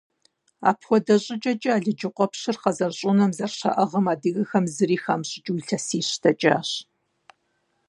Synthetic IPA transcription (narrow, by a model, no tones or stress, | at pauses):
a̰ːpʰxʷɔdɐɕʼɪt͡ʃʼɐt͡ʃʼɐaːɮɨd͡ʒɪqʷɔpɕɨrqɐzɐrɕʼʊnɐmzɐrɕɐ̰ʔɐʁɐmaːdɨɣɐxɐmzɨɾiːxaːmɕʼɪt͡ʃʼwiɬʰɐsiːɕtʰɐt͡ʃʼa̰ːɕ